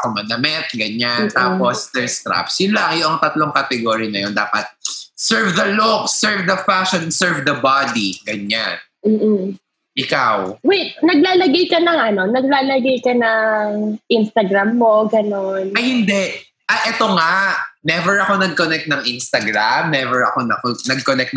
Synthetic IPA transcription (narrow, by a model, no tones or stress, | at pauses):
komɐd̪ɐmɛt̪̚ɡɐɲant̪aːpost̪ɛɹst̪ɾa̰psjʊlaŋjʊʔɐŋt̪ɐt̪loŋkɐt̪ɛɡoːɾjnɐjond̪aːpɐt̪̚sɛɹvd̪ɐloksɛɹvd̪ɐfaʃonsɛɹvd̪ɐbad̪iɡɐɲan | m̩ːʔ̩ | ʔɪkawwɛjnɐɡlaːlɐɡɐjkɐnɐŋʔɐno̞nɐɡ̚laːlɐɡɐjkɐnɐŋʔinst̪ɐɡɾamːoɡɐnonɐjhɪnd̪ɛʔ | ʔɐʔɛt̪oŋanɛvɛɹɐko̞nɐɡ̚konɛk̚t̪nɐŋʔinst̪ɐɡɾamnɛvɛɹɐ̰ko̞nɐ̰konɐɡ̚konɛk̚t̪